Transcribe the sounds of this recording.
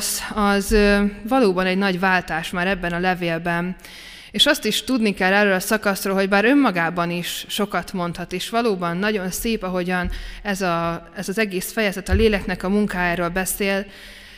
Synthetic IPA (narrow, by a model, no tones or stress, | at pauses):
sɒzvɒloːbɒnɛɟnɒɟvaːlt̪aːʃmaːɾɛbːɛnɒlɛveːlbɛn | eːʃɒst̪iʃt̪ud̪nikɛlːɛrøːlɒsɒkɒsroːlɦo̞ɟbaːɾø̞mːɒɡaːbɒniʃːo̞kɒt̪mo̞nt̪hɒt̪eːʃʋɒloːbɒnːɒɟo̞nseːpɒɦo̞ɟɒnɛzɒ | ɛzɒzɛɡeːsfɛjɛzɛt̪ɒleːlɛknɛkɒmuŋkaːjaːɾoːlbɛseːl